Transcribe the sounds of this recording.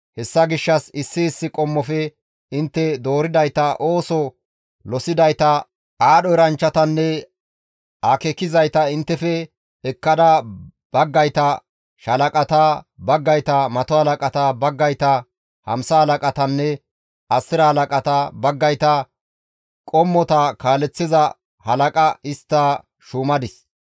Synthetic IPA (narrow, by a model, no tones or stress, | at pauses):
hɛsːɐɡɪʃːɐsɪsːɪːsːɪkʼɔmːɔfɛ | ɪnt̪ːɛd̪o̞ːɾɪd̪ɐjt̪ɐʔoːsɔ | lɔsɪd̪ɐjt̪ɐ | ʔaːɗɔɪɾɐnt͡ʃːɐt̪ɐnːɛ | akɛkːɪzɐjt̪ɐɪnt̪ːɛfɛ | ɛkːɐd̪ɐ | b̥ɐɡːɐjt̪ɐ | ʃɐlɐkʼɐt̪abɐɡːɐjt̪ɐmɐt̪ɔhɐlɐkʼɐt̪abɐɡːɐjt̪ɐ | hɐ̰msɐhɐlɐkʼɐt̪ɐnːɛ | ʔɐsːɪɾɐhɐlɐkʼɐt̪abɐɡːɐjt̪ɐ | kʼɔmːɔt̪ɐkaːlɛt͡sːɪzɐ | hɐlɐkʼɐɪst̪ːa | ʃuːmɐd̪ɪs